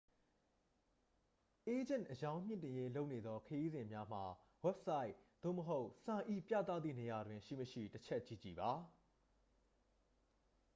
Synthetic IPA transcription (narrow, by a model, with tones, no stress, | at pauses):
ʔe˦d͡ʑɪ̃˦˨ʔəjã˦ʊ̃m̥ɪ̃˦˨ntɪ̃˨je˦lo˦ʊʔne˨d̪ðɔ˦kʰəji˦zɪ̃˨mja˦m̥a˨ | wɛ˦p̚sa˦ɪʔd̪̥o̰˦˨məɦo˦ʊʔsã˨ʔḭ˦˨pjä̰˦˨t̪a̰˦˨d̪ðḭ˦˨ne˨ja˨dwɪ̃˨ʃḭ˦˨məʃḭ˦˨tət͡ɕʰɛ˦ʔt͡ɕi˦˨t͡ɕi˨ba˨